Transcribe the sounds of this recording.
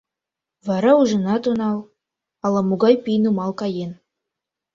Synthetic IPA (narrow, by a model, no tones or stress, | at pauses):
vɑɾɑuʒɤ̆nɑt̪unɑlˠ | ɑlˠɑmuɡɑjpijnumɑlˠkɑjen